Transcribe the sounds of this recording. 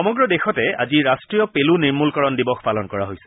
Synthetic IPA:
ɔmɔɡɹɔdexɔtɛa̰ziɹastɹijɔpeluniɹmulkɔɹɔndibɔxpalɔnkɔɹaɦojsɛ̥

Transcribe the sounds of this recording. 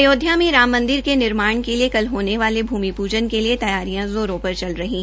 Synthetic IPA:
joːd̪ʱjãmẽɾaːmːɐ̃nd̪ɪɾkenɪɾmaːɳ̃keliekɐlɦoːneʋaːlebʱuːmipuːd͡ʒənkeliet̪ɐjaːɾijãzoːɾoːpɐɾt͡ʃɐlɾɐɦĩː

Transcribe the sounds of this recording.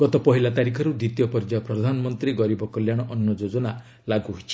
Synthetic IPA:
ɡ̥ɔt̪ɔpɔɦilat̪aɾikʰɔɾud̪it̪ijɔpɔɾd͡ʒapɾɔd̪ʱanɔmɔnt̪ɾiɡɔɾibɔkɔljaɽ̃ɔʔɔnːɔd͡ʒod͡ʒɔna | laɡuɦoit͡ʃʰi̥

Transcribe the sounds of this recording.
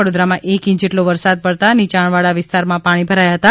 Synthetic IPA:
əɽod̪ɾamãʔekĩt͡ʃd͡ʒeʈloʋəɾsad̪̚pəɽt̪aənit͡ʃaɳʋaɭaʋɪst̪aɾmãpaɽ̃ibʱəɾajaɦət̪a

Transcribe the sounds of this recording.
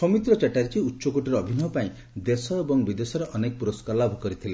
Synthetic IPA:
sɔmit̪ɾɔt͡ʃeʈaɾit͡ʃiutːʃɔkuʈiɾɔːbʱinɔɔpaĩ | d̪esɔebɔŋbid̪esɔɾeʔɔnekɔpuɾɔskaɾlabʱɔkɔɾit̪ʰile

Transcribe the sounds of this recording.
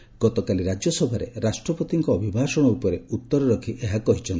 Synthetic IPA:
ɡ̥ɔt̪ɔkaliɾad͡ʒjɔsɔbʱaɾḛɾasʈɾɔpɔt̪iŋkɔːbʱibʱasɔɽ̃ɔupɔɾeut̪ːɔɾɔɾɔkʰiʔeɦakɔɦit͡ʃʰɔnt̪

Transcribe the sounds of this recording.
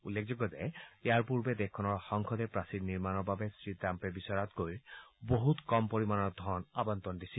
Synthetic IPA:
ulːek̚ʰzɔɡɔzɛejaɹpuɹbɛdekʰːɔnɔɹxɔŋkʰɔdɛpɹasidniɹmanɔɹbabesɹitampɛbisɔɹat̪ɡojboɦut̪kɔmpoɹimanɔd̪ʱɔɹɔnabɔnt̪ɔndisi

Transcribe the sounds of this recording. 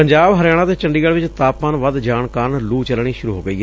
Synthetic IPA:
əɲd͡ʒaːbɦəɾjaːɽ̃ãːt̪eːt͡ʃəɳɖiːɡəlʋɪt͡ʃt̪aːpənʋəd̪d͡ʒaːɳkaːɾnluːt͡ʃəlɳ̃iːʃʊɾuːɦo̰ːɡəiː

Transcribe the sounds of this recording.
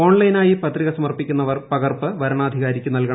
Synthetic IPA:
o̞ːɳlɐjnaːjipɐt̪riɣɐsɐmɐrpikʲːun̪ːɐʋɐrpɐɣɐrpɨʋɐɾɐɳaːd̪ʱiɣaːɾikʲːunɐlkɐɳɐ

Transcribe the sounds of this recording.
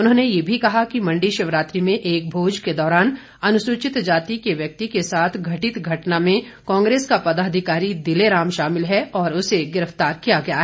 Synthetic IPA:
ʊnɦõːnejebʱikɐɦakimɐ̃ɳɖiʃɐʋɾaːt̪ɾimẽʔeːk̚bʱoːd͡ʒked̪ɔːɾaːn | ɐnʊsuːt͡ʃɪt̪d͡ʒaːt̪ikeʋjɐk̚t̪ikesaːt̪ʰɡʱɐʈɪt̪ɡʱɐʈnamẽ | kɔ̃ːŋɡɾeːskapɐd̪aːd̪ʱɪkaːɾid̪ɪleɾaːmʃaːmɪlɦɛɔːɾʊseɡɪɾəft̪aːɾkijaɡɐjaɦɛː

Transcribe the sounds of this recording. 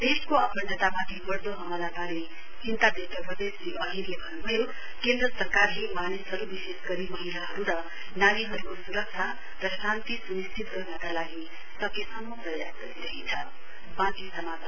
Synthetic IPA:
d̪eskoapʌndʌt̪amat̪ʰibʌɾd̪oɦʌmʌlat̪aɾe | hint̪ad̪et̪ʌpɾʌd̪esliʔʌɦinlebʱʌnubʱʌjo | kend̪ɾʌsʌrkarɦimanisɦʌɾubisesɡʌɾimʌɦilaɦʌɾuɾʌ | naniɦʌɾukosuɾʌk̚t͡ʃʰa | rʌsant̪isunist̪ʰit̪ɡʌrnʌkalaɡi | sʌkesʌnmoprʌja̰sɡʌɾiɾʌɦit͡sʰʌ | bãk̪isʌmat

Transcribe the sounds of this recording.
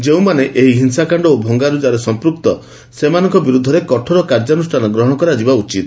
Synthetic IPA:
d͡ʒeũmaneʔeɦiɦinsakaɳɖɔobʱɔŋɡaɾud͡ʒaɾesɔmpɾuk̚t̪ɔ | semanɔŋkɔbiɾud̪ʱːɔɾekɔʈʰɔɾɔkaɾd͡ʒɔnusʈʰanɔɡɾɔɦɔɽɔkɔɾad͡ʒibaut͡ʃit̪

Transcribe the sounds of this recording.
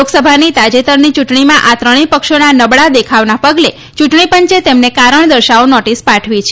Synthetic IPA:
oɡsəbʱanit̪ad͡ʒet̪əɾnit͡ʃuʈɳimãʔat̪ɾəɽ̃ipəkʃonanəbɭad̪ekʰaʋnapəɡle | t͡ʃuʈɳ̃ipəɲt͡ʃet̪emnekaɾəɳ̃d̪əɾʃaonɔʈispaʈʰʋit͡ʃʰe

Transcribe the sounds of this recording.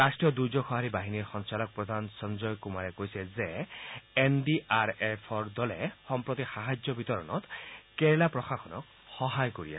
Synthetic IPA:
ɾasʈijɔd̪ujd͡ʒɔxʰɔɦaɾibaɦiniɾxɔnsalɔk̚pɾɔd̪ʱansɔnd͡ʒɔjkumaɾekojseze | enɖiʔaɾepʰɔɾd̪ɔlexɔmpɾɔt̪ixaɦad͡ʒjɔbit̪ɔɾɔ̰nɔt̪keɾlapɾɔxaxʰɔnɔk̚ | xɔɦajkoɾiḛ

